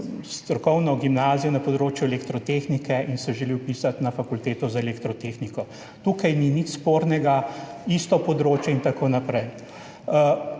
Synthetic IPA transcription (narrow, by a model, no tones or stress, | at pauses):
st̪ɾɔkɔwnɔɡimnaːzijɔnɐpɔd̪ɾoːt͡ʃjuɛlekt̪ɾɔt̪eːxnikɛʔinsɛʒɛliwpisat̪nafakult̪eːt̪ɔzaɛlekt̪ɾɔt̪exnikɔ | t̪uːkajninit͡ʃspoːɾnɛɡaist̪ɔpɔd̪ɾoːt͡ʃjɛint̪akoːnapɾɛj